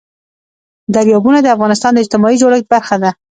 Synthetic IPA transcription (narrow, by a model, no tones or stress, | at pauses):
d̪aɾjɑbunad̪əafɣɑnɪst̪ɑnd̪əɪd͡ʒt̪ɪmɑid͡ʒoɽax̚baɾxad̪a